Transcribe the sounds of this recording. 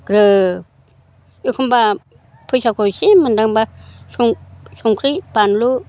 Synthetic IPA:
kɾɯ | jukʰamba | pʰɯsakosimandaŋbasuŋsuŋkʰɾipanlu

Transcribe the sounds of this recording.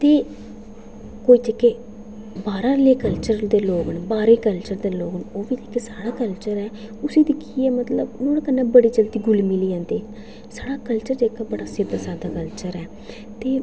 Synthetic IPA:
t̪eː | koːiːd͡ʒekːeː | baːɾãːleːkəlt͡ʃəɾd̪eːloːɡənbaːɾeːkəlt͡ʃəɾd̪eːloːɡənoːbiːd͡ʒekːeːsaːɽaːkəlt͡ʃəɾɛː | ʊsiːd̪iːkʰiːɛːmət̪ləbnõːɽkənːẽːbəɽiːd͡ʒəlt̪iːɡʊlmɪliːãːnd̪eː | saːɽaːkəlt͡ʃəɾd͡ʒeːkːaːbəɽaːsɪd̪asaːd̪aːkəlt͡ʃəɾɛː | t̪eː

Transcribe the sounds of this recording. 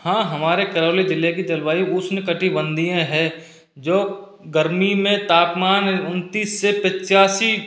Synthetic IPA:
hãːɦɐmaːɾekɐɾoːlid͡ʒ̪ɪlːek̬it̪ɐlʋaːiʊsnɪkəʈibə̃nd̪ijẽɦɛ | d͡ʒoː | ɡəɾmimẽt̪aːpmaːnʊnt̪iːsːepɪt͡ʃaːsi

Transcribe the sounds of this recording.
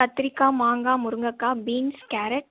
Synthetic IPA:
ɐt̪ːɾɪkːaːmaːŋɡaːmʊɾɯŋɡɐkːaːbiːnskaːɾɐʈ

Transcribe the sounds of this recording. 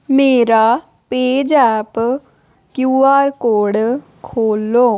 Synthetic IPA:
meːɾaː | peːd͡ʒɛːp | kjuːaːɾkoːɖ | kʰoːlːoː

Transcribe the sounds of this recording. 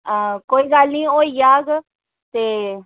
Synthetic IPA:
əkoːiːɡəlnĩːoːiːjaːɡ | t̪eː

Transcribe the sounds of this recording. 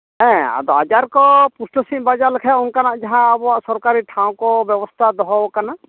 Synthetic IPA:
ɛ̃a̰d̪ɔad͡ʒaɾkɔpusʈɔsĩʔbad͡ʒalɛkʰɛunkanaʔd͡ʒaɦãabɔwaʔsɔɾkaɾiʈʰãw̃kɔbjɛbɔst̪ʰad̪ɔɦɔɔkanaʔ

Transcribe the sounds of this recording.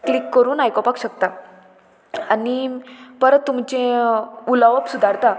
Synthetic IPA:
klikːəɾuːnajkɔpakɕək̚t̪a | anipəɾət̪ːumt͡ɕẽulaʋəpsud̪ʱaɾt̪a

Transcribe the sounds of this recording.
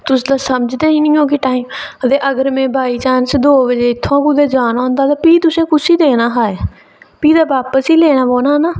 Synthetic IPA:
t̪ʊsd̪aːsəməd͡ʒd̪eːɦiːnɪ̃ːoːk̬ɪʈaːiːmət̪eːʔəɡəɾmẽːbʱaːiːt͡ʃaːnsd̪oːʋəd͡ʒeːɪt̪ʰːõːkʊd̪eːd͡ʒaːnãːnd̪aːt̪ãːpiːt̪ʊsẽːkʊsiːd̪eːnaːɦaːeː | piːd̪aːbaːpəsiːleːnaːboːnaːnaː

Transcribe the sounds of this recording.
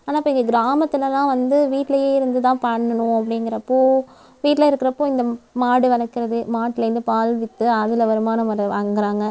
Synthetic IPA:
aːnaːɪpːoːɪŋɡɐɡɪɾaːmɐt̪ːɪlɐnãːʋɐnd̪ɯʋiːʈlɐjeːɪɾɯnd̪ɯt̪ãːpɐɳːɐnʊ̃ɐpːɐɽɪŋɡɪɾɐpːoː | ʋiːʈːɪlɐɪɾɯkːɪɾɐpːoːɪnd̪ɐmaːɽɯʋɐlɐkːɪɾɐðɯmaːʈːɪlɐɾɯnd̪ɯpaːlʋɪt̪ːɯɐðɪlɐʋɐɾɯmaːnɐmɐɾɐʋaːŋɡɪɾaːŋɡɐ

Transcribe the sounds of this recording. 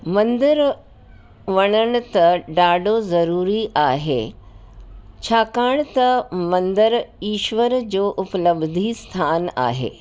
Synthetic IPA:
mɐ̃nd̪əɾ | ʋɐɽ̃əɽ̃ʊ̆t̪ɐɖaːɖozɐɾuːɾiʔaːɦḛ | t͡ɕʰaːkaːɽ̃t̪ɐmɐ̃nd̪əɾiːʃʋəɾd͡ʑoːʔʊpləbd̪ʱist̪ʰaːna̰ːɦḛː

